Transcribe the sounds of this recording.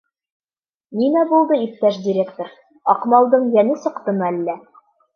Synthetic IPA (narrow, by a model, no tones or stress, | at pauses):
ninæbulˠd̪ɤip̚t̪æʃdʲɪɾʲekt̪ŏɾ | ɑqmɑlˠd̪ɤɴjænɘsɤ̆qt̪ɤ̆mɤælːæ